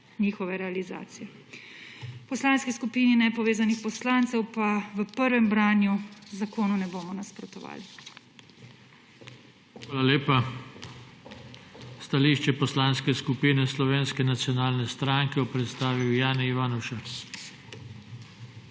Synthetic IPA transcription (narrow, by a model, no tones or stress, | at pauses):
niːxɔʋɛɾɛaliza̰ːt̪sijɛ | pɔslaːnskiskupiːninɛpɔʋeːzanixpɔslaːnt̪sɛwpaʋəpəɾʋɛmbɾaːnjuzakoːnunɛboːmɔnaspɾɔt̪ɔʋa̰ːli | xʋaːlaleːpa | st̪aliːʃt͡ʃɛpɔslaːnskɛskupiːnɛslɔʋeːnskɛnat̪sjɔnaːlnɛst̪ɾaŋkɛjɔpɾɛt̪st̪aːʋiwjaːniʋanɔwʃəɾs